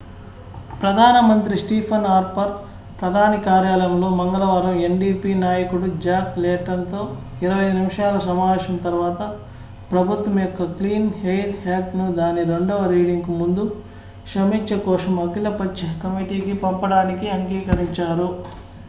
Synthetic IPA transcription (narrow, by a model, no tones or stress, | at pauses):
pɾɐd̪ʱaːnɐmɐnt̪ɾisʈiːpʰɐnaːɾpɐɾ | pɾɐd̪ʱaːnikaːɾjaːlɐjɐmlo̞ːmɐŋɡɐlɐʋaːɾɐme̞ɳɖiːpiːnaːjɐkuɽud͡ʒaːklɛːʈɐnt̪o̞ː | iɾɐʋɐjɐjd̪unimɐʂaːlɐsɐmaːʋeːʃɐmt̪ɐɾʋaːt̪ɐ | pɾɐbʱut̪ʋɐmjɔkːɐkliːnhejɾhelpnud̪aːniɾe̞ɳɖɔːʋɐɾiːɽiŋkumund̪u | kʂɐmit͡ʃːɐkɔːsɐmɐkilɐpɐt͡ʃːɐkɐmiʈiːkipɐmpɐɽaːnikiɐŋɡiːkɐɾiɲt͡ʃaːɾu